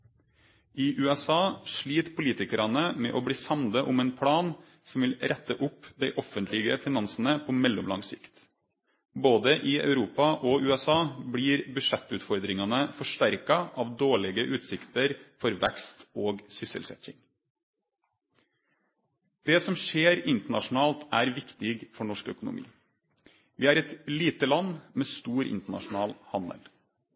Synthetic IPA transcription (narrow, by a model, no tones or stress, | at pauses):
iːʔʉːɛsɑːʂɭiːt̪pʰʊliːt̪ɪkəɾɑnəmɛ̰ːʔoːbɽiːsɑmnd̪əʔʊmɛːnpʰɽɑːn | sɔmʋɪlɾʔɛt̪ːəʔʊpd̪æɪʔɔfənt̪ʰlɪɡəfɪnɑnsnəpʰɔmɛlːɔmlɑ̰ŋsɪ̰kt̪ | boːd̪əʔɪɑ̰ʉɾuːpɑʔɔʉːɛsɑːbɽiːɾbʉʂɛt̪ːʉːt̪fɔɾd̪ɾɪŋɑnəfɔʂʈæɾkɑʔɑːʋd̪oːɭɛɡəʔʉːt̪sɪkt̪əɾfɔɾʋɛkst̪oːɡsʏsə̰lsɛ̰t̪ɪ̰ŋ | d̪̥ɛsɔmʂeːɾɪnt̪əɳɑʂʊn̩ɑːlt̪æːɾʋɪkt̪ɪɡfɔɳɔʂkœ̰kʊnʊ̰mʔḭː | ʋɪæɾɛt̪liːt̪əlɑnːmeːst̪uːɾʔɪ̰nt̪əɳɑ̰ʂʊnɑːlhɑnd̪ə̰l